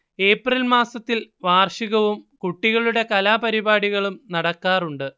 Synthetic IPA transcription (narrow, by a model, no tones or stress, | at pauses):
e̞ːprilmaːsɐt̪ːilʋaːrʂiɣɐʋumkuʈːiɣɐɭuɽe̞kɐlaːpɐɾibaːɽiɣɐɭumnɐɽɐkːaːruɳɖɨ